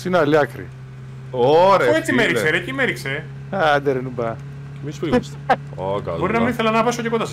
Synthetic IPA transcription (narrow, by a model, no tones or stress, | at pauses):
sinɐliɐkɾḭ | oɾeuet͡simmeɾikseɾecimeɾikse | ad̪eɾenubɐ | emispls | okɐ̰lbo̞ɾinɐminiθelɐnɐvɐsoce̞kond̪ɐs